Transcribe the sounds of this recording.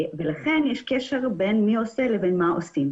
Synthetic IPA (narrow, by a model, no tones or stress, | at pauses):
velaχenjeʃkeʃe̞ʁbenmio̞selevenmaosim